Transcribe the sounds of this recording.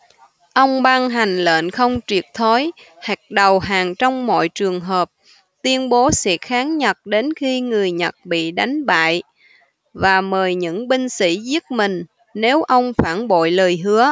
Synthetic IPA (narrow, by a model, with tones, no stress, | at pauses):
ʔə˧wŋ͡mɓaː˧ŋɦa˨˩jŋ̟lə̰ː˧˨nxə˧wŋ͡mt͡ɕwi˨˩ək̚t̪ʰo˨˦j | ha˨˩k̚ɗə˨˩wɦaː˨˩ŋt͡ɕɔ˧wŋ͡mmɔ̰˧˨jt͡ɕɨ˨˩əŋɦəː˨˩p̚ | t̪wi˧ənɓo˨˦sɛ̰˧˥xaː˨˦ŋɲə˨˩t̚ɗe˨˦nxi˧ŋɨ˨˩əjɲə˨˩t̚ɓḭ˧˨ɗa˨˦jŋ̟ɓa̰ː˧˨j | vaː˨˩məː˨˩jɲɨ̰˧˥ŋɓï˧ŋ̟sḭ˧˥zi˦˥ət̚mï˨˩ŋ̟ | ne˨˦wʔə˧wŋ͡mfaː˧˩nɓo̰˧˨jləː˨˩jɦɨ˨˦ə